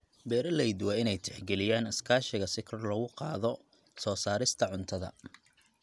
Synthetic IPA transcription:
bɛːɾɐlɛjd̪waɪnɛjt̪ʰɛ̥ħɡɛlɪjaːnɪskʰaːʃɪɣɐsɪkʰɐrlɐɣʊqɑːðɔ | sɔːsaːɾɪst̪ʰɐʕʊnt̪ʰɐðɐ̰

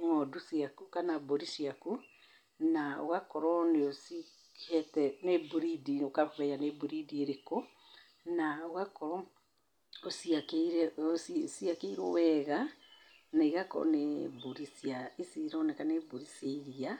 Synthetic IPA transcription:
ŋɔdusiakukanaboɾisiaku | nao̰ɣakɔɾɔneosi | kʰɛtɛnebuɾidinokaββɛjanebuɾidieɾeko | naoɣakɔɾɔ | osiakeɾɛossiakeiɾo̰wɛɣa | naiɣakɔ̰neboɾisjaisiɾɔnekaneboɾiseiɾia

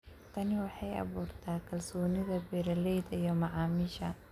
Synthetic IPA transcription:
t̪ʰɐnɪwɑħɑjʔɑ̰βuːrt̪ʰaːkʰɐlsɔːnɪðɐbɛɾɐlɛjd̪ɐijɔmɑʕɑːmɪʃɐ̰

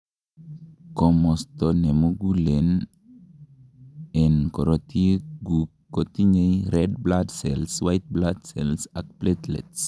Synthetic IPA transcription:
kɔmɔst̪ɔnemoɡulen | ɛnkɔɾot̪iɡu | kːot̪iɲejɾɛd̚bladsɛlswajt̪̚bladsɛlsak̚plet̪lɛ̰ts

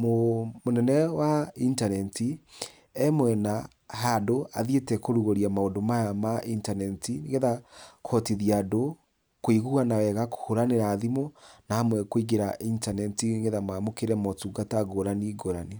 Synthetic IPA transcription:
momonɛnɛwaintanɛnti | ɛmwɛna | hadoaðietɛkoɾuɣoɾiamaondomajamaʔintanɛntinɡeðakʰɔtiðiado | koiɣuanawɛɣako̥hoɾaneɾaːðimɔnahamwɛkwiɡeɾaintanɛtiŋɡeðamamokeɾɛmɔtuɡataɡoɾaniɡoɾani

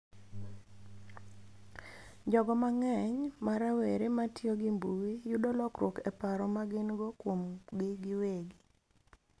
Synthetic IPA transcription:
d͡ʒɔɡɔmaŋɛɲmaɾaweɾematjoɡimbuwijudɔlɔkɾwokɛpaɾɔmaɡɪnɡɔkwomɡɪɡɪweɡi

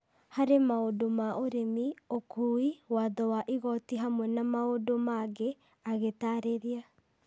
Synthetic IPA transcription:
haɾemaodomaʔoɾemiokuiwaðɔwaʔiɣɔtiɦamwɛnamaodomaɣe | aɣetaɾeɾia

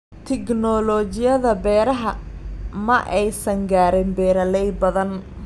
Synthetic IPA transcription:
t̪ʰɪknɔlɔt͡ʃɪjɐðɐbɛːɾɐɦɐmɐʔɛjsɐŋɡaːɾɪnbɛːɾɐlɛjbɐðɐn

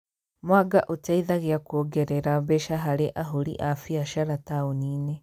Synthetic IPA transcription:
mwaɡaʔotaiðaɣeakwoɡɛɾɛɾaβeʃaɦaɾeʔaɦoɾḭʔafiaʃaɾataoniːne

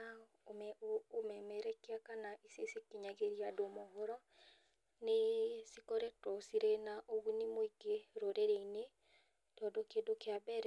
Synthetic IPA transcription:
a | omɛomɛmɛɾɛkeakanaʔisesekiɲaɣeɾiadomoɦoɾɔ | nesikoɾɛtɔsiɾenaʔoɣunimwiɡeɾoɾeɾeine | tɔdokedokeabɛɾɛ

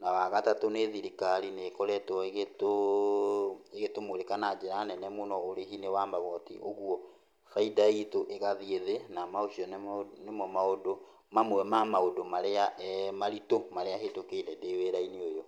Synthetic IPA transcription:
nawaɣatatoneðiɾikaɾinekɔɾɛtwɔeɣeto | eɣetomoɾekanad͡ʒeɾanɛnɛmonɔoɾeɦinewambaɣɔtḭʔoɣwɔ | faidaitoʔeɣaðieðenamaoɕiɔnemɔmaodo | mamwɛmamaodomaɾeamaɾitomaɾeaɦetokeɾɛdeweɾaineojo

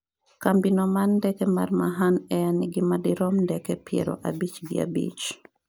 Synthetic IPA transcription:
kambinɔmanːdɛkɛma̰rmaɦanɛjaniɡimadiɾɔmndɛkɛpiɛ̰ɾɔ̰ʔabit͡ʃɡɪ̰a̰bḭt͡ʃ

